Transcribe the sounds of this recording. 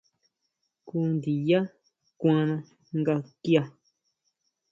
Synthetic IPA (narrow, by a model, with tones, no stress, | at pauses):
ku˦nd̪i˨ja˦ | kʷã˧nã˧ | ŋɡa˧kja˧